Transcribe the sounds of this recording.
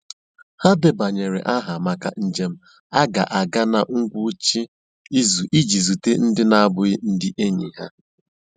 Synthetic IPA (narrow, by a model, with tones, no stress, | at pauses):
ha˦dɪ˨ba˨ɲe˨ɾḛ˨ʔa˦ɦa˨ma˨ka˨n̩˨d͡ʒe˨˦m̩˦ | a˦ɡa˨ʔa˨ɡa˦na˨ŋ̩˦ɡʷu˦t͡ʃi˦ | i˦zu˨ʔi˦d͡ʒi˨zu˨te˦n̩˦dɪ˦na˦a˦˨bʊ˨ɪ˦n̩˦dɪ˦ʔe˦ɲi˨ɦa̰˦